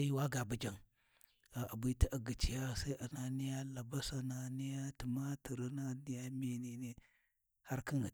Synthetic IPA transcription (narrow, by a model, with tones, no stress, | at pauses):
ji˦wa˦ɡa˨bu˨d͡ʒa˨ŋ | ɡa˨ʔa˨bu˦ti˦ʔa˨ɡi˨t͡ʃi˨ja˦sa˦i˦ʔa˨na˨ni˦ja˦la˨ba˦sa˦na˨ni˦ja˦ti˨ma˦ti˨ɾi˦na˦ni˦ja˦mi˨ni˨ni˦ | ha˦ɾki˦ŋ˨